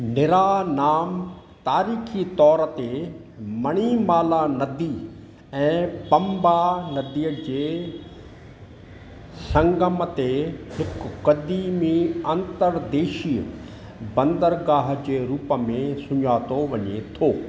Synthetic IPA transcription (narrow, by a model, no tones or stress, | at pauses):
nɪɾaːnaːm | t̪aːɾiːxʰit̪ɔːɾət̪emɐɽ̃imaːlanɐd̪iː | ɛ̃ːpɐ̃mbanɐd̪iːəd͡ʑeː | sɐ̃ŋɡəmət̪ehɪkːɐd̪imiɐ̃nt̪əɾd̪eːʃiːə | bɐ̃nd̪əɾɡaːɦd͡ʑeːɾuːpəmẽsʊɲaːt̪oʋɐɲet̪ʰoː